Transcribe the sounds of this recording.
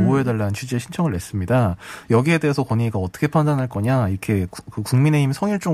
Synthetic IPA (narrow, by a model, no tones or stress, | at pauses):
oedaɭːanɯnt͡ɕʰud͡ʑieɕʰint͡ɕʰʌŋɯɭːe̞s͈ɯmɲidajʌɡie̞de̞esʰʌkwʌɲiɡaʌt͈ʌ̥kʰe̞pʰandanɦaɭk͈ʌɲaikʰe̞kɯkuŋmine̞imsʰʌŋiɭt͡ɕ͈o